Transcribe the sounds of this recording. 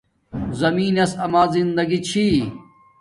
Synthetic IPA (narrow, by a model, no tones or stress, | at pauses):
zɐmiːnɐsɐmaːzind̪ɐɡit͡ɕʰi